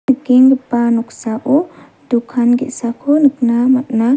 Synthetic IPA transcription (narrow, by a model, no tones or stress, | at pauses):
ɯkiŋɡpanɔksaʔɔ | d̪ukʰanɡɛtsakʰɔnɯknamat̪na